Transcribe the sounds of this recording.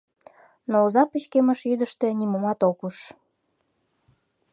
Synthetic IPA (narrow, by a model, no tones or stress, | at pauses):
noːzɑpət͡ɕkeməʃjyd̪əʃt̪enimomɑt̪okuʃ